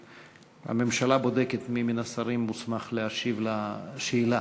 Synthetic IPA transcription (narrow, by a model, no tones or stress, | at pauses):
a̰me̞mʃalabo̞d̪e̞ket̪miminasaɾimːusmaχleaʃivlaʃeila